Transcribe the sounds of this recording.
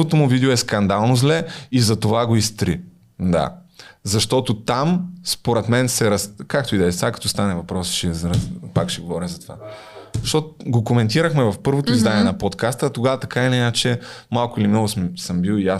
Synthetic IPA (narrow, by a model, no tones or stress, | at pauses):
ot̪omʊvid̪ɛoɛskɐnd̪alˠnozlɛizɐt̪ovaɡoist̪ɾi | d̪a̰ | zɐʃt̪ɔt̪ot̪amspoɾɛt̪mɛnsɛɾɐskakt̪oid̪ɛt̪akɐ̥t̪ɔst̪anɛvɐpɾɔst͡ʃɛzɾpakʃɛɡovɔɾɛzɐt̪ova̰ | ʃt̪ɔt̪ɡokomɛnt̪iɾəxmɛvɐfpɤɾvot̪oizd̪aniɛnɐpot̪kast̪ət̪oɡavɐt̪ɐkainɛat͡ʃɛmalˠkʊilimnɔɡʊsmsəmbilˠia